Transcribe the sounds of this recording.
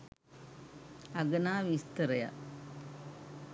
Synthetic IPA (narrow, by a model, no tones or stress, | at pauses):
ɐɡɐnaːʋist̪ɨɾɐja̰